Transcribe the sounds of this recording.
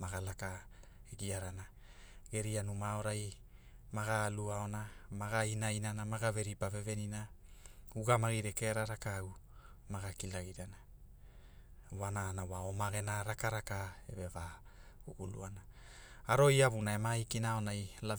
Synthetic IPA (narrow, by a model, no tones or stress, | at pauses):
maɡalaka | eɡiaɾana | ɡe̞ɾianumao̞ɾaj | maɡaːluao̞namaɡainajnanamaɡave̞ɾipave̞ve̞nina | uɡamaɡiɾeke̞ɾaɾakaw | maɡakilaɡiɾana | wanaːnawaomaɡe̞naɾakaɾakaḛvevauɡulṵana | aɾo̞jaβunae̞maikinaonajla